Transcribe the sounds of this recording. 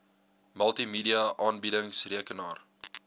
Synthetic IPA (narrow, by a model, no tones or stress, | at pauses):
məlˠtimiːdiɐʔɑːnbidəŋsriəkənɑːr